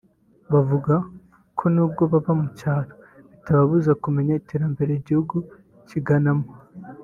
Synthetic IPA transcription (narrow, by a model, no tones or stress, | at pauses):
βavuɡa | kʰo̞nuːb̚ɡo̞βaβamucaːɾoβitaβaβuzakume̞ɲaite̞ːɾambe̞ɾeiɟihuɡu | ciɡanamo